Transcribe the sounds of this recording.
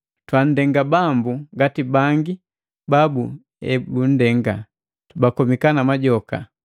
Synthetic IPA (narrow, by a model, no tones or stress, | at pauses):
twan̩dɛŋɡabambuŋɡatibaŋɡi | babu | ɛbun̩dɛŋɡa | tubakɔmikanamaɟɔka̰